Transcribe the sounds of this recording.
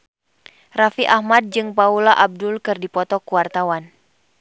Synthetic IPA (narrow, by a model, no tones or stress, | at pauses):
rafiʔahmad̚d͡ʒɨŋpaulaʔab̚dʊlkɨrdipɔt̪ɔkuwart̪awan